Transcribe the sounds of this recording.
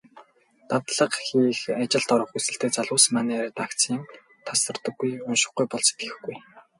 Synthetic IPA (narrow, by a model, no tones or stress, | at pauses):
t̪awt̪ɮə̆qxiːxat͡ɕɪ̆ɮt̪ɔɾə̆χusɘ̆ɬt̪eːt͡saɮʊːs̆maneːɾt̪akt͡sʰiːm | t̪ʰasə̆rt̪ə̆ɡːujʊnʃɪ̆χɡujpɔɮse̥t̪ɡɘ̆xɡuj